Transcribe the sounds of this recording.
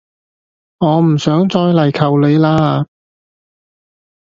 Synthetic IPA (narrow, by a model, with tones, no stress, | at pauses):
ŋɔː˨˧m̩˨˩sœː˨˥ŋt͡sɔː˧jlɐ˨˩jkʰɐ˨˩wle˨˧jlaː˥